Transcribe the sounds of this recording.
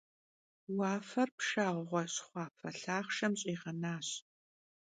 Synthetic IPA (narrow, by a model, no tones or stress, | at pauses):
wɑːfɐrpʂaːʁʷʁʷɔɕχʷɑːfʰɐɬaːχʃɐmɕʼiːʁɐnaːɕ